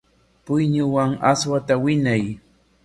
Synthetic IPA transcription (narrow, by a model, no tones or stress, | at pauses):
pʊjɲʊwaŋaswat̪awɪɲaj